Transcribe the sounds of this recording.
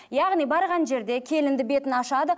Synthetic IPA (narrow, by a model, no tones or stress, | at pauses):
jɑʁnijbɑɾʁɑnʒe̞ɾd̪e̞kʲʰe̞lɪnd̪ɪbe̞t̪ɪnɑʃɑd̪ə